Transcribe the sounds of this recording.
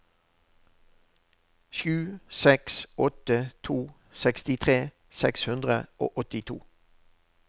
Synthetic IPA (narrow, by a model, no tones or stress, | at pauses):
ʃʉːsɛksɔt̪ət̪ʰuː | sɛkst̪ɪt̪ʰʁeː | sɛkshʉnd̪ʁə̰o̰ːʔɔt̪ɪt̪ʰṵː